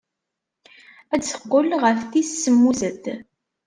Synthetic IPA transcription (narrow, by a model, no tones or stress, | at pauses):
æθə̥qːəlʁəfθissːəmːuzəd̪